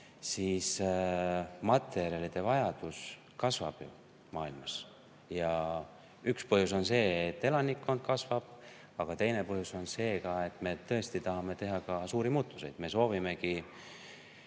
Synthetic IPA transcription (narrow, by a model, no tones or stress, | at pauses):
siːs | mɑt̪ːˑe̞ɾjɑlid̪̥e̞vɑjɑd̪̥us | kɑsvɑ̰b̥jṵ | mɑːilmɑs | jɑ | ykspɤɦjus̬o̞nse̞ːt̪ːe̞lɑnikːo̞nd̪̥̚kɑsvɑb̥ | ɑɡ̥ɑt̪e̞jne̞pɤɦjuso̞nse̞ːkɑe̞t̪ːˑme̞t̪ɤ̞e̞st̪it̪ɑɦɑme̞t̪e̞ɦɑkɑsuːɾimuːt̪ːˑu̥se̞jd̪̥me̞so̞ːvime̞ki